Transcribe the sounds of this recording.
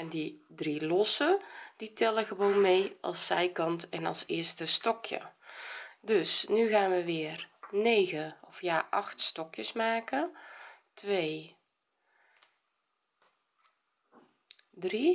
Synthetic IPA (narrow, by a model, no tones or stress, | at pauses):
ɛndidrilɔsəd̥itʰɛləɣəʋoːnmeːʔɑ̰lˠsːɛjkɑntɛnɑ̰lˠsɪərstəstɔkʰjə̰ | døsnyɣaːnʋəʋɪːərneːɣəɔfjaːʔɑxtstɔkjəsmaːkə | tʋeː | dri